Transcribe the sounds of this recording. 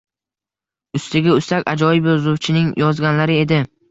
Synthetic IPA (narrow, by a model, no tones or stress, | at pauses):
ʊst̪ɪɡʲaʊst̪akʲa̰d͡ʒɒjɪbjɒzʊwt͡ʃʰɪnɪŋjɒzɡʲanlaɾɪe̞d̪ɪ